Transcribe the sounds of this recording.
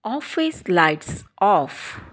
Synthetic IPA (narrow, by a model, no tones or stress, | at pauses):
ɔfislajtsʔɔf